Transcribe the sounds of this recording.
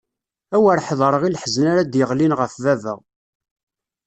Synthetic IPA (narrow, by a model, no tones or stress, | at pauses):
æwəɾħðˤəɾˤəʁilħəznaɾad̪jəʁlinʁəfvævə̰ʁ